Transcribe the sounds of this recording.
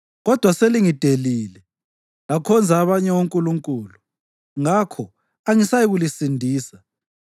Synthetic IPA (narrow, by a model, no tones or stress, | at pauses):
ɣɔd̥ʱwaseliŋid̥ʱeliːlɛ | lakʰɔnd͡zʱaːβaɲɛwoŋkʼuluŋkʼuːlu | ŋakʰɔ | aŋisajiɣulisindʱiːsa